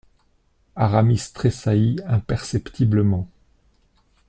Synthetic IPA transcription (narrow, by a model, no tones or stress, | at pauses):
aʁamist̪χesaiɛ̃pɛʁsɛpt̪ʰibləmɑ̃